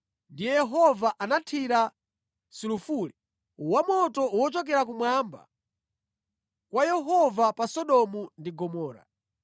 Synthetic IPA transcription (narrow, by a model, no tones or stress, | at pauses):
ndijɛjɛɦɔvaʔanatʰiɾa | sulufuli | wamɔtɔuwɔt͡ʃɔk̬ɛɾakumwamba̰ | kwajɛɦɔvapasɔɗɔmundiɡɔmɔːɾa̰